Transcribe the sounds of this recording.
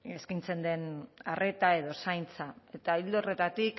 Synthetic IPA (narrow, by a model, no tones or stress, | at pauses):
eskint͡se̞nd̪e̞nare̞t̪ae̞ðo̞sajnt͡sae̞t̪aild̪ore̞t̪at̪ik